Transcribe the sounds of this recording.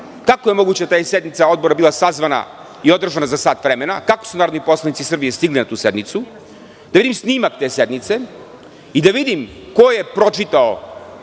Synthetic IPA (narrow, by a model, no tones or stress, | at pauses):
kakoje̞mo̞ɡuːt͡ɕet̪aːjesed̪nit̪sao̞d̪bo̞ɾabilˠasazʋana̰ | io̞d̪r̩ʒanazasaːt̪ʋɾemenakakosunaːɾod̪nipo̞slˠanit̪sisr̩bije̞st̪iɡlinat̪uːse̞d̪nit̪su | d̪̥avid̪imsniːmak̚t̪eːse̞d̪nit̪se̞ | id̪aʋid̪im | ko̞jepɾo̞t͡ʃit̪ao